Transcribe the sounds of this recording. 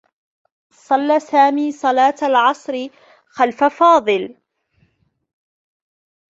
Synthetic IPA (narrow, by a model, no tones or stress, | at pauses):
sˤɑlːaːsaːmiːsˤɑlɑːt̪alʕɑsˤɾɪ | xalfafɑːðˤɨl